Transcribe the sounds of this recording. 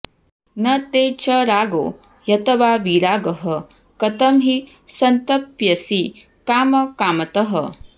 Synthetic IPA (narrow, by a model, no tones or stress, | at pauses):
nɐt̪eːt͡ʃɐɾaːɡo̰ː | jɐt̪ʰɐʋaːʋiɾaːɡɐɦɐ | kɐt̪ɐmɦi | sɐnt̪ɐpjɐsi | kaːmɐkaːmɐt̪ɐɦɐ̰